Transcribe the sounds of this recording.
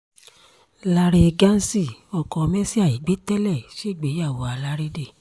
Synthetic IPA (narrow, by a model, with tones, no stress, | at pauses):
la˧ɾe˧ɡa˦n̩˦si˦˨ɔ˨kɔ̃˨˧mɛ̃˦si˦a˦˨i˨ɡ͡be˨˦tɛ˦lɛ˦˨ʃe˦˨ɡ͡be˨˦ja˦˨wo˨˦a˨˧la˦ɾe˦de˦˨